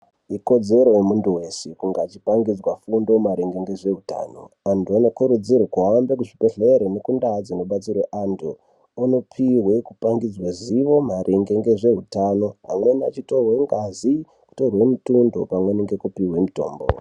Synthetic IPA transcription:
iko̞d͡ze̞ɾo̞jemuntuwe̞sekuŋɡat͡ʃi̥paŋɡid͡zwafundo̞maɾeŋɡeŋɡe̞ʐe̞ɦuta̰ːno̞̰antʰuano̞kuɾud͡zirakuɦambek̬uʐipeɬeɾone̞kundad͡zino̞ɓat͡sirweʔantʰu | ano̞pʰiɦwe̞kupaŋɡid͡zwaziʋo̞maɾʔeŋɡeŋɡe̞ʐe̞ɦutano̞ɦa̰mwe̞nat͡ʃito̞rwe̞ŋɡazi | ku̥torwe̞mutundo̞̰pamweneŋɡe̞kupiɦwe̞muto̞ːmbo̰

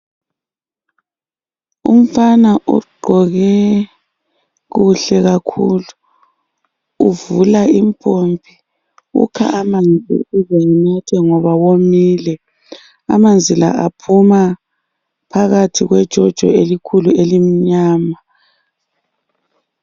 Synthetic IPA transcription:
ṵm̩fanaʔṵɡ͡ǃʱɔɣɛ | ɣuɬɛɣakʰulu | vulaimpʰompʰi | ṵkʰa̰ʔamand͡zʱḭizɛŋinatʰɛŋɔβawomiːlɛ | amand͡zʱila̰a̰pʰuma | pʰaɣatʰiɣwɛd̥ʒ̥ʱɔd̥ʒ̥ʱɔ̰elikʰuluelimiɲaːma

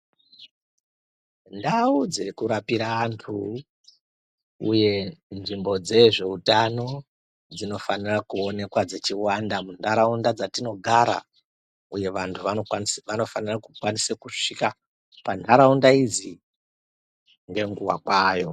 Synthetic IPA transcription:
ndaud͡zekuɾapiɾaantʰu | ṵje̞nʐimbo̞d͡ze̞ʐe̞utano̞ | d͡zino̞fanirakuo̞ne̞kwad͡ze̞t͡ʃiwandamundaɾaundad͡zatino̞ɡʱaɾa̰ | uje̞ʋantʰuaʋano̞fanirakukwanisekuʂika | pandaɾaundaid͡zi | ŋɡe̞ŋɡuwa̰kwaːjo̞

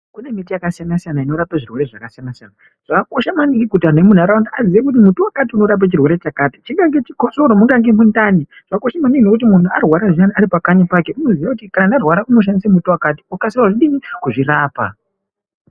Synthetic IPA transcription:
kune̞mitijakasijanasijanaino̞ɾapaʐirwe̞ɾe̞ʐa̰kasijanasijana | ʐ̥akako̞ʃamanikikutanemun̤uaɾawandiaziʋekut̬imutuwakatiuno̞ɾap̬at͡ʃirwe̞ɾe̞t͡ʃakatit͡ʃiŋɡaŋɡe̞t͡ʃikoso̞ɾomuŋɡaŋɡemundani | ʐ̥akako̞ʃamanikino̞kut̬imun̤uarwaɾaʐianiaɾipakaɲapakeuno̞ziʋakutikananarwaɾaʔuno̞ʃ̬andisemutuwakatiukasirwaʐiɗinikuʐiraːpa̰

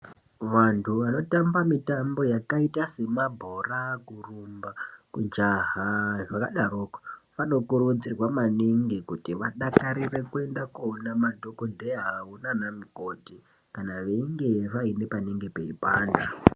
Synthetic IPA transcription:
ʋantʰuʋano̞tambamitambo̞jakaitase̞mabʱorakurumbakud͡ʒaɦaʐaka̰ɗaroːkḁʋano̞kurud͡zirwamaniŋɡekutiʋaɗakaɾire̞kue̞ndakuonamadʱokondeɦaunanamiko̞ti | kanaʋe̞iŋɡe̞ʋaine̞paniŋɡepe̞ipaːnda

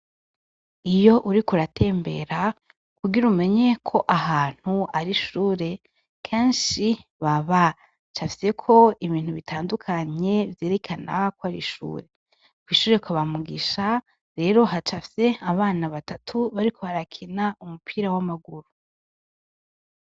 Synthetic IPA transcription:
ijo̞ʔuɾikuɾatʰe̞ːmbe̞ɾa | kuɡiɾume̞ɲe̞kʰo̞ʔaɦaːn̥huaɾiʃuːɾe̞ | kʰeːnʃiβaβa | t͡ʃafi̥se̞kʰo̞iβiːn̥huβitʰaːndukʰaɲe̞vje̞ːɾe̞kʰana̰kwoaɾḭʃṵːɾe̞ | kwiːʃuːɾe̞kʷaβamuɡiʃa | ɾe̞ːɾo̞ɦat͡ʃafi̥se̞aβaːnaβatatʰuβaɾikʰo̞βaɾakʰinaumupʰiːɾawamaɡuɾu

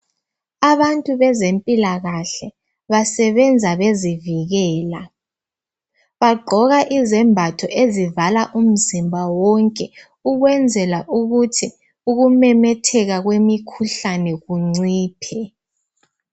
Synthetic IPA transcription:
aβantʼuβɛzempʼilaɣaɬɛ | βasɛβɛnd͡zʱaβeziviɣɛːla | βaɡ͡ǃʱɔɣaʔizɛmbʱatʰɔʔezivalaʔum̩zimbʱawɔŋkʼɛ | uɣwɛnd͡zʱɛlaʔuɣutʰi | uɣumɛmɛtʰɛɣaɣwemikʰuɬanɛɣuŋ͡ǀiːpʰɛ

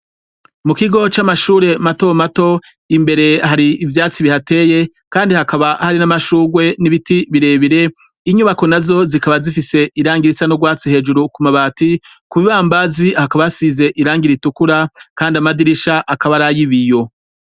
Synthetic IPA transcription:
mukiɡo̞t͡ʃamaʃuːɾe̞mato̞mato̞ | imbe̞ɾe̞haɾiːvjaːt͡siβihate̞ːje̞ | kaːndihakaβahaɾinamaʃuːɡwe̞niβitiβiɾe̞ːβiɾe̞ | iɲuβako̞nazo̞zikaβazifise̞ʔiɾaːŋɡiɾisanoɡwaːt͡sihe̞ːd͡ʒuɾukumaβati | kuβiβaːmbazihakaβajasize̞ʔiɾaːŋɡiɾitukuɾakaːndiamadiɾiʃaʔakaβaɾajiβijo̞

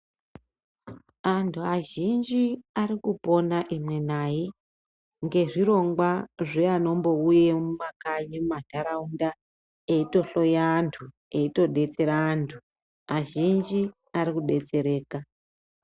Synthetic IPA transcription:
antʰuaʒind͡ʒiaɾikupo̞naʔimwe̞naji | ŋɡe̞ʐiɾo̞ŋɡwaʐeano̞mbo̞uje̞mumakaɲimumadʱaɾaunda | eito̞ɬo̞jaːntʰu | e̞ito̞ɗe̞t͡se̞ɾaːntʰu | aʒind͡ʒi | aɾikuɗe̞t͡se̞ɾe̞ːka

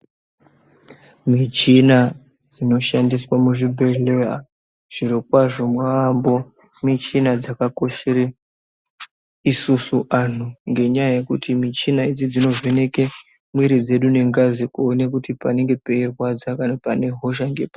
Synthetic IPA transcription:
mit͡ʃina | d͡zino̞ʃandiswamuʐibʱe̞ɮera | ʐ̥iɾikwaʐo̞mwaambo̞ | mit͡ʃinad͡zakako̞ʃeɾe | isusuʔan̤uŋɡe̞ɲajaje̞kṵtʰimit͡ʃinaid͡zid͡zino̞ve̞ne̞ke̞ | mwiɾid͡ze̞ɗune̞ŋɡazikuone̞kutipane̞ŋɡe̞pe̞irwad͡zakanapane̞ɦo̞ʃ̬aŋɡe̞pa

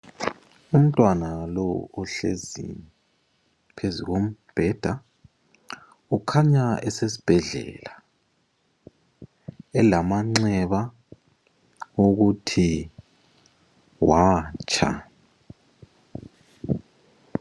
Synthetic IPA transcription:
um̩tʼwanalɔɔɬḛzḭ | pʰeziɣom̩b̥ʱɛd̥ʱa | ukʰaɲaɛsesi̥b̥ʱɛɮɛ̰la | ɛlamaŋ͡ǀɛβa | oɣutʰi | waːt͡ʃʰʼa̰

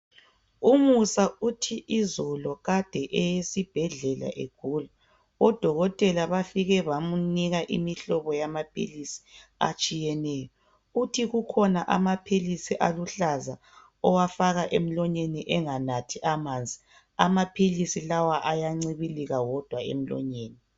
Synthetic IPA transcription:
umusautʰiʔizɔlɔɣad̥ʱɛʔɛjesib̥ʱɛɮɛla̰ʔḛɡ̥ʱula | ɔd̥ʱɔɣɔtʼɛlaβafiɣɛβamuniɣaʔḭmiɬɔβɔjamapʰḭlisi̥a̰t͡ʃʼijɛnɛjɔ | utʰiɣukʰɔnaʔa̰mapʰilisiʔaluɬaza | ɔwafaɣaʔem̩lɔɲeniʔɛŋanatʰiʔamand͡zʱi | amapʰilisilawaʔajaŋ͡ǀiβiliɣawɔd̥ʱwaḛm̩lɔ̰ɲeːni

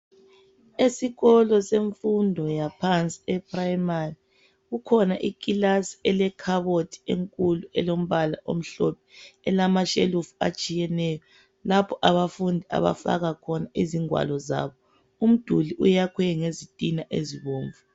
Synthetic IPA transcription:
esiɣɔlɔseɱfundʱɔjapʰant͡sʼi̥ɛpʰraimari | ɣukʰɔnaʔikʼilasi̥ɛlɛkʰaβotʰi̥ḛŋkʼuluɛlom̩βalaʔo̰m̩ɬɔp̚ʰɛɛlamaʃelufua̰t͡ʃʼijɛnɛjɔ | lapʰɔʔaβafundʱia̰βa̰fa̰ɣakʰɔnaʔiziŋwa̰lɔza̰βɔ | um̩d̥ʱuliʔṵjakʰwɛŋezitʼinaʔeziβoːɱvu

